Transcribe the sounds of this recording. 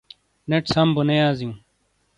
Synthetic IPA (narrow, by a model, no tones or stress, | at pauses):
neʈsɐmbunejaːziũ